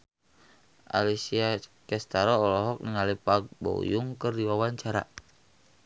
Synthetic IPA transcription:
ʔa̰lisiakɛst̪aɾɔːlɔɦɔk̚nəŋalipaɡ̚bo̰juŋkərdiwawaɲt͡ʃaɾa̰

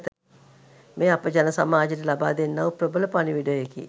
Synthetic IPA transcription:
t̪ | meːapəd͡ʒanəsa̰maːd͡ʒetəlabaːd̪enːaʋuprobələpaniʋiɖojekḭ

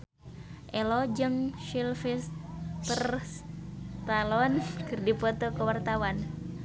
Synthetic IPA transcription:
ʔɛlɔd͡ʒəmʃilfist̪ər | t̪alɔnkɨrdipɔt̪ɔkəwart̪awan

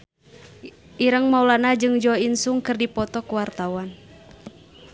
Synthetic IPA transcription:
ʔiɾəŋmaulanad͡ʒɨŋd͡ʒɔinsuŋkɨrdipɔt̪ɔkuwart̪awan

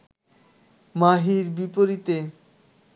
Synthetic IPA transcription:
maɦiɾbipoɾit̪e

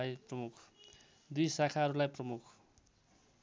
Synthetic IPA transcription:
ajprʌmukʰ | d̪ujsakʰaɦʌɾulajprʌmukʰ

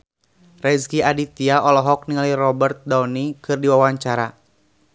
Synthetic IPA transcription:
rɛzkiadit̪iaɔlɔɦɔk̚niŋalirɔbərt̪̚dawnikɨrdiwawaɲt͡ʃaɾa

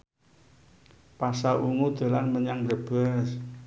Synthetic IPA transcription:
pasaʔuŋud̪̥a̤lanməɲaŋɾəb̥aəs

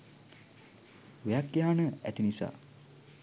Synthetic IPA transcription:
ujakːjaɦanəæ̰t̪inisa̰ː

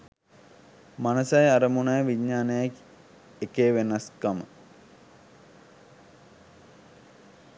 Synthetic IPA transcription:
manɐsajaɾəmunajʋiɲːaːnejak | ekeːʋenɐskamə

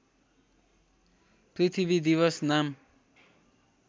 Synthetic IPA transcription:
prit̪ʰibid̪iβʌsnam

